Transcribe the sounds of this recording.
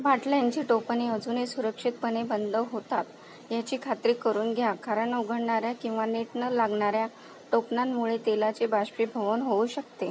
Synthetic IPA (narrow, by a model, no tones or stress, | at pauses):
bʱaʈlajaɲt͡ɕiʈopniəd͡zuːnesuɾəkʂit̪̚pənebənd̪əʋɦot̪at̪ | jat͡ɕiːkʰat̪ɾiːkəɾuːnɡʱjakʰaɾəɳuɡʱəɽɳaɾjakĩw̃ʋaneʈnəlaɡɳaɾja | ʈopnamːuɭet̪elat͡sebaɕpiːbʱəʋənɦouɕək̚t̪e